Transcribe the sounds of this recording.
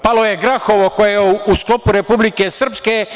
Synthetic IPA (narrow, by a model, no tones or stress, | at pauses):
palojeɡɾaxoʋoko̞jejeusklo̞puɾe̞publikesr̩pske